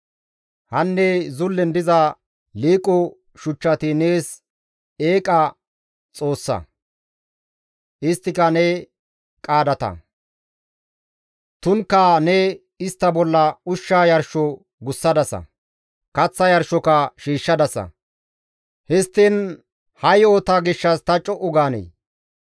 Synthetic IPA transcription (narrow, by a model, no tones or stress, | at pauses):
hɐnːɛzʊlːɛnd̪ɪzɐ | liːkʼːɔ | ʃʊt͡ʃːɐt̪ɪne̞ːs | eːkʼɐ | t͡sʼo̞ːsːɐ̰ | ʔɪst̪ːɪkɐnɛ | kʼaːd̪ɐt̪ɐ̰ | t̪ʊnkːɐnɛ | ɪst̪ːɐbɔlːɐʊʃːaːjɐɾʃɔ | ɡʊsːɐd̪ɐsɐ̰ | kɐt͡sːɐjɐɾʃɔkɐʃiːʃːɐd̪ɐsɐ̰ | hɛst̪ːɪn | hɐjoːt̪aːɡɪʃːɐst̪ɐt͡ʃʼːɔʔʊɡaːnɛ̰j